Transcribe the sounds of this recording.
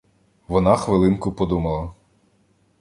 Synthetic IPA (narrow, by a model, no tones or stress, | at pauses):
ʋɔnɑxʋɪlˠɪnkʊpɔd̪umɐlˠɐ